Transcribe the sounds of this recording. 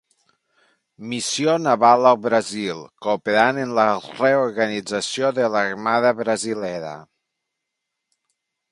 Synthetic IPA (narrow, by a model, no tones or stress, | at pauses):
misijonaβalˠəlˠβɾazilˠkopeɾanenləreoɾɣanid͡zasioðelaɾmaðəβɾəzilɛɾə̰